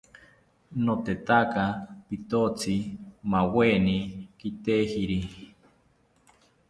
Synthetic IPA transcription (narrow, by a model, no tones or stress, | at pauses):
not̪et̪akapit̪ot͡simawenikit̪ehiɾi